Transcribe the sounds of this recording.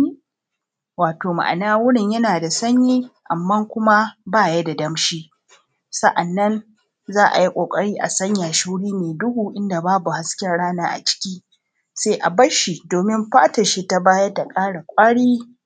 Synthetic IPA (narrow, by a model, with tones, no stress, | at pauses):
waː˨toː˨ma̰˨ʔa̰˨naː˦wʊ˦ɽɪ˨ɲjɐ˦naː˨da˨sɐ˦ɲjiː˦ʔa̰˨mːɐ˦ŋkʷʊ˦ma˦baː˦jɐ˦da˨dɐ˦mʃiː˦ | sɐ˦ʔa˨nːɐ˦n | zaː˦ʔa̰˨ji˦kʷʼoː˨kʼɐ˦ɽiː˦ʔa̰˨sɐ˦ɲjaː˨ʃu˦ɽiː˦meː˨dʊ˦huː˨ʔɪ˦nda˨baː˦bu˨ha˦skʲɛ˦nɽaː˦naː˦ʔa̰˨t͡ʃɪ̥˦kʲiː˦ | seː˦ʔa˨bɐ˦ʃi˨doː˨mɪ˦mɸaː˦tɐ˨ʃi˦ta˦baː˦ja˦ta˨kʼaː˦ɽa˨kʷʼaː˦ɽiː˦